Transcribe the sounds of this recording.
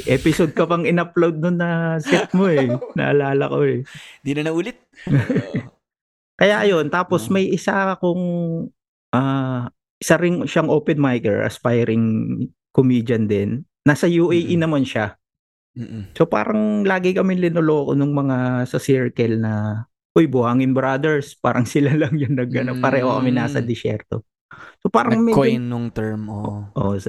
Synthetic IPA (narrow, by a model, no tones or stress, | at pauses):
ʔɛːpɪsod̪̚kɐpɐŋɪnɐplowd̪̚nʊnːɐsɛt̪̚mo̞ɛnɐ̰ʔɐlaːlɐ̰koɛnd̪inɐnɐʔuːlɪt̪̚ | kɐjaʔɐjo̞nt̪aːpo̞smɐjʔɪsaɐkoŋ | ʔaː | ʔɪsɐɾɪŋʃaŋʔoːpɛnmajkɛ̰ɹʔɐ̰spajɾɪŋ | komiːd͡ʒɐnd̪ɛnː | asɐjuːʔɛjʔinɐmanʃa | so̞pa̰ːɾɐŋlaːɡɪkɐmɪnlɪnoloʔɐko̰nʊŋmɐŋasɐsɪɹkɐlnɐ | ʔojbʊhaːŋɪnbɾad̪ɛɹspa̰ːɾɐŋsɪlalɐŋjʊnːɐɡɐnonpɐɾɛːhokɐmɛnaːsɐ̰d̪ɪsɛ̰ɾt̪o̞̰ | sopaːɾɐŋmɛjnːʊŋt̪ɛɹmoʔo